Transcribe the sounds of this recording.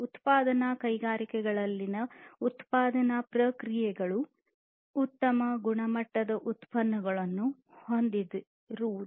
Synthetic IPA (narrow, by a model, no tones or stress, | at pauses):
ut̪paːd̪ɐnakɐjɡaːɾikɛɡɐɭɐlːinɐut̪paːd̪ɐnɐpɾɐkɾijɛɡɐɭuː | t̪ːɐmɐɡuɳɐmɐʈːɐd̪ɐʔut̪pɐnːɐɡɐɭɐnːu | hond̪id̪u | ɾuː